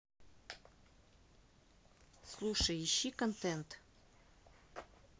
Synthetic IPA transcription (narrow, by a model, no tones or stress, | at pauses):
slˠuʂəjiɕːikont̪ɛnt̪